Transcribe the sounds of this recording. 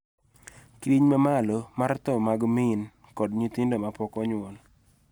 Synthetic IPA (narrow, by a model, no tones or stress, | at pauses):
kiɲmamalomaɾt̪ɔmaɡmin | kɔdɲit̪indomapɔkɔɲwɔn